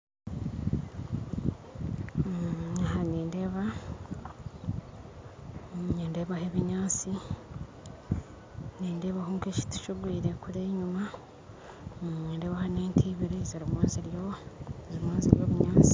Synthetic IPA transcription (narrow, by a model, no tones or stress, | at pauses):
ahaniːnde̞ːβa | ɲeːnde̞ːβaheβiɲaːt͡si | neːnde̞ːβahuːŋkeci̥tu̥ʃuɡwiːɾe̞kuɾeːɲuma | ɲeːnde̞ːβahaneːntʰiːβiɾiziɾimweːziɾjozimweːziɾjo̞ːβuɲaːt͡si̥